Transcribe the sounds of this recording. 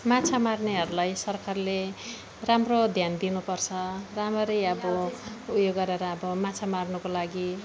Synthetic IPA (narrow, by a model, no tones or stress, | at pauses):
mat͡sʰamarneɦʌɾulajsʌrkarle | ramrod̪ʱjand̪inupʌrt͡sʰʌramʌɾʌjʌbʌujoɡːʌɾeɾʌːbʌmat͡sʰamarnʌkolaɡi